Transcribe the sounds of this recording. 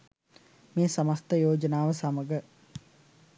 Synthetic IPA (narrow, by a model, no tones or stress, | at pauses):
meːsɐmast̪əjoːd͡ʒənaːʋəsaməɡə